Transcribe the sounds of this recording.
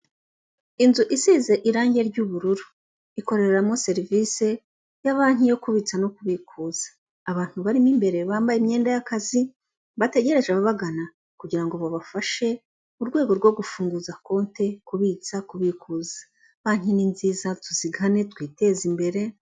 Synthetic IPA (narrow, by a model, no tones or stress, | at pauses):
inzuʔisiːze̞ʔiɾaːɲɟe̞ɾɟuβuɾuɾu | iko̞ɾe̞ɾeɾamŋo̞se̞ɾivise̞ | jaβaːn̥ijo̞kuβit͡sano̞kuβikuːz̥ḁː | βaːn̥huβaɾimimbe̞ɾe̞βaːmbajemɲe̞ːndajakazi | βate̞ɟe̞ɾe̞ʒeβaβaɡana | kuɟiɾaŋɡo̞βoβafaʃe̞ | uɾɡwe̞ːɡo̞ɾɡwo̞ɡufuːŋɡuzako̞ːnte̞kuβit͡sakuβikuːzḁ | βaːn̥ininziːzatuziɡane̞tkwiːte̞ːzimbe̞ɾe̞